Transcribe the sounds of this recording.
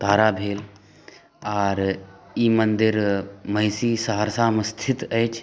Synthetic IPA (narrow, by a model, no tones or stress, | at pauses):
t̪aːɾaːbʱeːl | aːɾ | iːmənd̪ɪɾmɐjsiːsaɦəɾsaːməst̪ʰɪt̪əjt͡ʃʰ